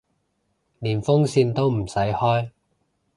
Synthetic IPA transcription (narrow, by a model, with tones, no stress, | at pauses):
niː˨˩nfʊ˥ŋsiː˧nt̪o˥wm̩˨˩sɐ˨˥jhɔː˥j